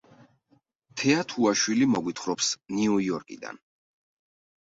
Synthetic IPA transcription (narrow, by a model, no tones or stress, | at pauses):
t̪ʰɛat̪ʰuaʃwilimɔɡwit̪ʰχɾɔpsniujɔɾkʼḭd̪a̰n